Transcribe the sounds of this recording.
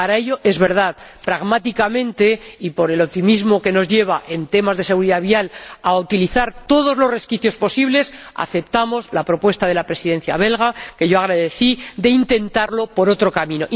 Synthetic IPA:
paɾae̞ʎo̞ʔe̞zβe̞ɾð̞aðpɾaɣmat̪ikamẽ̞nt̪e̞ipo̞ɾe̞lo̞p̚t̪imizmo̞ke̞no̞zʝe̞β̞aʔe̞nt̪e̞mazðe̞se̞ɣ̞uɾiðaβialaut̪iliθaɾt̪o̞ð̞o̞zlo̞re̞skiθjo̞spo̞siβle̞s | a̰θe̞p̚t̪amo̞zlapɾo̞pwe̞st̪aðe̞lapɾe̞siðe̞n̟θja̰β̞e̞lɣake̞ʝo̞aɣɾaðe̞θiðe̞int̪e̞nt̪aɾlo̞po̞ɾo̞t̪ɾo̞kamĩno̞ʔ

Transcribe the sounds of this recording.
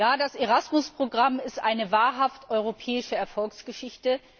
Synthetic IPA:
jaːdaseʁasmʊspʁ̥oɡʁamɪstʔaɪnəvaːɐɦaftʔɔʏʁ̞opʰɛːɪʃəɛɐfɔlksɡ̥əʃɪçtə

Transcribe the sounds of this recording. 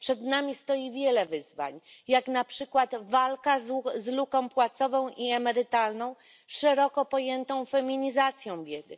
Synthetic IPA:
pʂɛd̪namʲist̪ɔjivʲjɛlɛvɘzva̰ɲjaknapʂɘkwad̪valkazzlukɔ̃w̃pwat̪sɔvɔ̃w̃ʔiɛmɛɾɘt̪alnɔ̃w̃ | ʂɛɾɔkɔpɔjɛnt̪ɔ̃w̃fɛmʲiɲizat̪sʲjɔ̃w̃bʲjɛd̪ɘ

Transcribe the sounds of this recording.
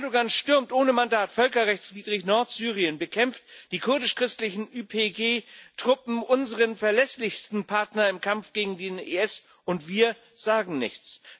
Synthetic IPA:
ɛɐdoɡanʃtʏɐmtʔoːnəmandaːtfœlkɐʁɛçt͡sv̥iːdʁɪçnɔɐtz̥yːʁiənbəkʰɛmftd̥iːkʰʊɐdɪʃkʁ̥ɪstlɪçn̩ʔyːpʰeːɡeːtʁ̥ʊpm̩ʔʊnzəʁənfɛɐlɛslɪçstn̩pʰaɐtnɐɪmkʰamfɡ̥eːɡŋ̩deːnḛɛs | ʊntv̥iːɐ | z̥aːɡŋ̩nɪ̰çt͡s

